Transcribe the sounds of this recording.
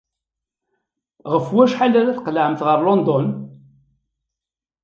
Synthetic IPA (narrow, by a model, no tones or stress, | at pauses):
ʁəfwæʃħalæɾæθqəlʕəmθʁəɾˤlɔnd̪ɔn